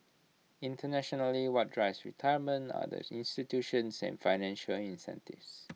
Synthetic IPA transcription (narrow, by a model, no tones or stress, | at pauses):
ĩntənɛʃɔnəliwɔt̚dɹaɪsɹitʰajəmə̃nta̰də̰sḭ̃nstitjuʃə̃nsɛ̰̃nfaɪnɛ̃nʃəlĩnsɛ̰̃ntḭvs